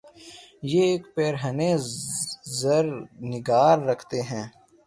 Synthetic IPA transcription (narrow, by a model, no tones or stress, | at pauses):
jeeːkpeːɾɦənẽː | zəɾnɪɡaːɾːəkʰt̪eɦɛ̃ː